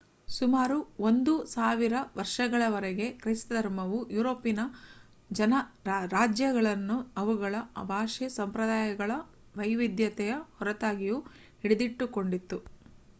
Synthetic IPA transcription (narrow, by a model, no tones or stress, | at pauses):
sumaːɾuo̞nd̪usaːʋiɾɐʋɐɾʂɐɡɐɭɐʋɐɾɛɡe̞kɾɐst̪ɐd̪ʱɐɾmɐʋujuːɾoːpːinɐ | d͡ʒɐnɐɾaːd͡ʒjɐɡɐɭɐnːuɐʋuɡɐɭɐɐ̰bʱaːʂɛsɐmpɾɐd̪aːjɐɡɐɭɐ | ʋɐjʋid̪jɐt̪ɛjɐhɔɾɐt̪aːɡiju | iɽed̪iʈːuko̞ɳɖit̪ːu